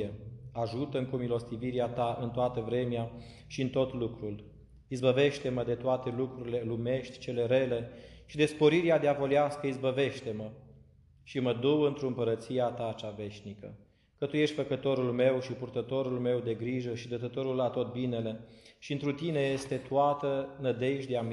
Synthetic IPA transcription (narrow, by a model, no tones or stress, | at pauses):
eaʒut̪əɨŋkumilo̞st̪iviɾeat̪aʔɨnt̪oat̪əvɾe̞mea | ʃiɨnt̪o̞t̪lukɾul | izbəve̞ʃt̪e̞məd̪e̞t̪oat̪e̞lukɾuɾile̞lume̞ʃt̪ʲt͡ʃe̞le̞ɾe̞le̞ʃid̪e̞spo̞ɾiɾead̪eavo̞liaskəizbəve̞ʃt̪e̞mə | ʃiməd̪uwɨnt̪ɾuɨmpəɾət̪sijat̪at͡ʃave̞ʃnikə | kət̪uje̞ʃt̪ʲfəkət̪o̞ɾulme̞wʃipurt̪ət̪o̞ɾulme̞wd̪e̞ɡɾiʒəʃid̪ət̪ət̪o̞ɾulat̪o̞t̪̚bine̞le̞ʃiɨnt̪ɾut̪ine̞je̞st̪e̞t̪uat̪ənəd̪e̞ʃd̪eam